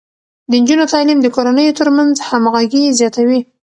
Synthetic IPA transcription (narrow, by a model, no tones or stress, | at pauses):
d̪ənd͡ʒunot̪ɑlimd̪əkoɾanəjot̪əɾmanzhamaɣaɡizjɑt̪awi